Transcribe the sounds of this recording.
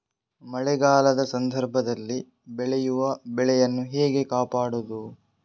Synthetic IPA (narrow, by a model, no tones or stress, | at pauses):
mɐɭɛɡaːlɐd̪ɐsɐnd̪ʱɐɾbʱɐd̪ɐlːi | bɛɭɛjuʋɐbɛɭɛjɐnːuɦɛːɡe̞kaːpaːɽud̪u